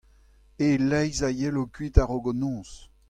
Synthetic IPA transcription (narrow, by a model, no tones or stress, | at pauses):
elɛjzajɛlokɥit̪aʁoɡonɔ̃ːs